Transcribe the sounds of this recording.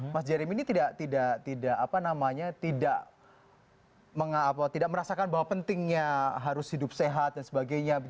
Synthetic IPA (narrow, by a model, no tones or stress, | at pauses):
masd͡ʒaɾiminit̪idaʔt̪idaʔt̪idaʔapanamaɲat̪idaʔ | məŋaːpat̪idaʔ̚məɾasakanbaɦwapənt̪ɪŋɲaɦaɾʊshidʊp̚seɦat̪̚dansəbaɡajɲa